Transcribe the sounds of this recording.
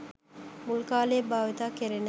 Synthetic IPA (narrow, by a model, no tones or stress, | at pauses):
mulkaːleːbaːʋet̪aːkeɾen